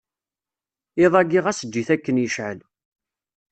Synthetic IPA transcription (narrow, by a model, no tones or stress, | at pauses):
ɪðˤɑɡiʁæsəd͡ʒːiθækːənjəʃʕə̰l